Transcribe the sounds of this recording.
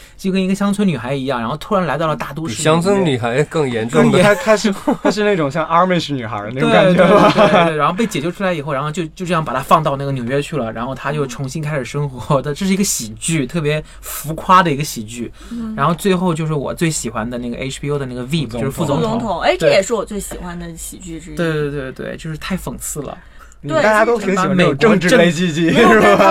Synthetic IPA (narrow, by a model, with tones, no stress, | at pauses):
t͡ɕt͡ɕo˥˩kə˥ni˧˥ɡə˧ɕjɑ˥ŋt͡sʰwə˧˥ny˨˩xa˧˥ɪi˧˥jɑ˥˩ŋɻa˧˥nxʊt̪ʰu˥ɻa˧˥nla˧˥ɪt̪ɑ˥˩ʊlə˩t̪a˥˩t̪wɔ˥ɻ̩˥˧jɑ˥ŋt͡sʰə˧˥nny˨˩xa˧˥ɪkɤ˥˩ŋjɛ˧˥nʈ͡ʂʊ˥ŋd̪kʰa˥ʂ̩ʰ˧a˥ʂɻ̩˥˧na˥˩ʈ͡ʂʊ˨˩ŋɕjɑ˥˧ŋɑ˥me˥˧ʂny˨˩xə̰˧˥n˥˩we˥˧˥a˧˥nxo˥˧ʊpe˥˩ɪt͡ɕjɛ˨˩t͡ɕo˥˧ʈ͡ʂʰu˥la˧˥ɪi˨˩xo˥˩ʊɻxʊt͡ɕjo˥˧ʊt͡ɕjo˥˧ʊʈ͡ʂjɑ˥˩pa˨˩t̪ʰa˥fɑ˥˧ŋt̪ɑ˥˧ʊna˥˩ɡə˩njʊɥɛ˥t͡ɕʰy˥˩lə˩ɻa˧˥nxo˥˩ʊt̪ʰa˥t͡ɕjo˥˩ʊʈ͡ʂʰʊ˧˥ŋɕi˥nkʰa˥ɪʂɻ̩˨˩ʂɤ˥ŋxwɔ˧˦˥d̪ə˧ʈ͡ʂɤ˥˩ʂɻ̩˥˩˧ɡə˧ɕi˨˩t͡ɕy˥˩t̪ʰɤ˥˩p̬jɛ˧˥ | fu˧˥kʰwa˥d̪ə˨i˧˥ɡə˧ɕi˨˩t͡ɕy˥˩ | ɻa˧˥nxo˥˧ʊt͡swe˥˧ɪxo˥˧ʊt͡ɕjo˥˧ʊʂ̬ɻ̩˥˩wɔ̰˨˩t͡swe˥˩ɪɕi˨˩xwa˥nd̪ə˨˦na˥˩ɡə̰˩ʔḛ˥ʈ͡ʂʰpʰi˥o˥ʊd̪ə˦na˥˩ɡə˩vi˥˩pt͡ɕt͡ɕo˥˧ʊʂɻ̩˥fu˥˩t͡sʊ˧˥ŋ˩t͡sʊ˧˥ŋt̪ʰʊ˨˦ŋe˥ɪʈ͡ʂ̪ə˥˧˩jɛ˨˩ʂɻ̩˥˩wɔ˨˩t͡swe˥˩ɪɕi˨˩xwa˧˥nd̪ə˨ɕi˨˩t͡ɕy˥˩˧t̪we˥˧ɪ˥˧t̪we˥˧ɪt̪wḛ˥˩ɪt͡ɕjo˥˧ʊʂɻ̩˥˧t̪ʰa˥˩ɪfə˨˩ŋt͡sʰɹ̩˥˩lə̰˩ | t̪we˥˩a˥˩t͡ɕja˥t̪o˥˧˥a˥˩me˨˩ɪkɤ˥ŋʈ͡ʂɻ̩˥ʈ͡ʂə˥˧e˥ɪt͡ɕi˥˧t͡ɕi˥˩˥